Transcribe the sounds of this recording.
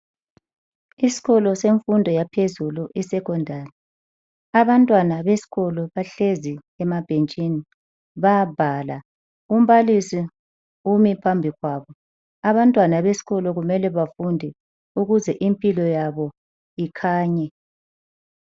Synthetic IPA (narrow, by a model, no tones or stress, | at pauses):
isi̥ɣɔlɔseɱfundʱɔjapʰezuluʔisɛkʰɔndʱaːlɛ | aβantʼwanaβesi̥ɣɔlɔβaɬezi | ɛmab̥ʱent͡ʃʼini | βab̥ʱala | um̩βalisi | umipʰambʱiɣwaːβɔ | aβantʼwanaβesi̥ɣɔlɔɣumɛlɛβafundʱɛ | uɣuzɛʔimpʼilɔjaβɔ | ikʰaːɲɛ